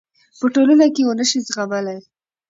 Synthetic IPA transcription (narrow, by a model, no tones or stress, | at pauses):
pəʈolənakeonəʃizɣabalaj